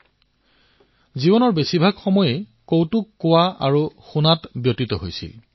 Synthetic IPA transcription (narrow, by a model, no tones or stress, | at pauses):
zibɔnɔɹbesibʱaɡxɔmɔje | kowtukːowaaɹuxunatbjotit̪ɔɦo̰jsḭl